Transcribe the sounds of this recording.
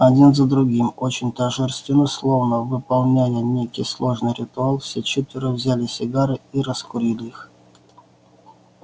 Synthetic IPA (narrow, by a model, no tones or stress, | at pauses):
ɐdʲinzəd̪ɾʊɡʲimot͡ɕɪnʲt̪ɐʐɨrst̪vʲɪnəslˠovnəvɨpɐlˠnʲæjənʲejkʲɪjslˠo̞ʐnɨjɾʲɪt̪ʊalˠfsʲet͡ɕet̪vʲɪɾəvzʲælʲɪsʲɪɡaɾɨiɾəskʊɾʲilʲɪix